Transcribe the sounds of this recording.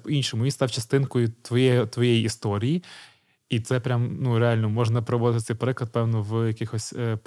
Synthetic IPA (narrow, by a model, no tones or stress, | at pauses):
pɔinʃɔmʊʋinst̪ɑwt͡ʃɐst̪ɪnkʊjʊt̪ʋɔjɛjt̪ʋɔjɛjiist̪ɔɾʲiji | it̪sɛpɾʲamnuɾealʲnɔmɔʒnɐpɾɔʋɔd̪ɪt̪ɪt̪sɛjpɾɪklˠɐt̪̚pɛwnɔwjɐkɪxɔsʲ